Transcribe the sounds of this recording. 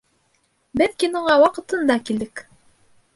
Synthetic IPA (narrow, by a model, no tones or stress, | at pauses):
bælkinɤ̆ɴɑwɑqɤ̆t̪ɤ̆nd̪ɑkild̪ɘk